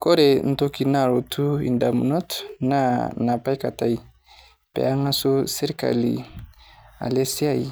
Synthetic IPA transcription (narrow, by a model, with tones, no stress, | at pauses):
ko˦ɾe˨n̩˨to˦ki˨na˦˨ɾo˨tu˦ḭ˨nda˨mṵ˨nɔ˦tna˦na˨pa˦i˦ka˨ta˦i˨ | pḛ˨a˦ŋa˦so˦se˦ɾka̰˨lḭ˨ | a̰˨le˦si˦a˦i˨